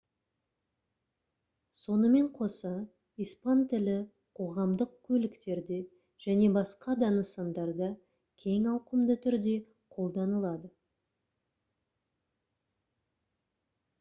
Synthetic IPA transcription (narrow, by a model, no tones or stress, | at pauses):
so̞nəme̞ɴqʰo̞sɑ | ijspɑnt̪ʰɪlɪ | qʰo̞ʁɑmd̪əq̚kʲʰɵlɪkt̪e̞ɾd̪e | ʒ̥æne̞bɑsqɑd̪ɑnəsɑnd̪ɑɾd̪ɑ | kʲʰe̞ŋɑwqəmd̪ət̪ʰʏɾd̪e̞ | qʰo̞lˠd̪ɑnəlˠɑd̪ə